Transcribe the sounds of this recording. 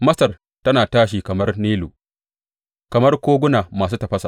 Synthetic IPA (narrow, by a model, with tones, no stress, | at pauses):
mɐ˦sɐ˨r | tɐ˦naː˨taː˦ʃ̬iː˨kɐ˨mɐ˦rniː˦luː˨ | kɐ˨mɐ˦rkʷoː˦ɡʷʊ˦naː˨maː˨s̬uː˦tɐ˨ɸɐ˦sa˨